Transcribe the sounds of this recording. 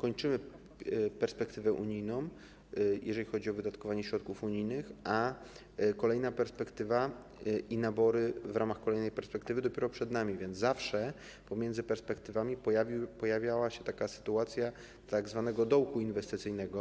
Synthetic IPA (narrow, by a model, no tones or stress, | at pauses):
kɔɲt͡ʂɘmɘ | pɛɾspɛk̚t̪ɘvɛʔṵɲijnɔ̃w̃ | jʔɛʐɛlʲixɔd͡ʑiɔvɘd̪at̪kɔvaɲɛɕɾɔt̪kufuɲijnɘxʔa | kɔlɛjnapɛɾspɛkt̪ɘva | inabɔɾɘvɾamaxkɔlɛjnɛjpɛɾspɛkt̪ɘvɘd̪ɔpʲɛɾɔpʂɛd̪namʲivʲjɛnd̪zafʂɛ | pɔmʲjɛnd̪zɘpɛɾspɛk̚t̪ɘvamʲipɔjavʲpɔjavʲjawaɕɛt̪akasɘ̥t̪uat̪sʲja | t̪aɡzvanɛɡɔd̪ɔwkuinvɛst̪ɘt̪sɘjnɛɡɔ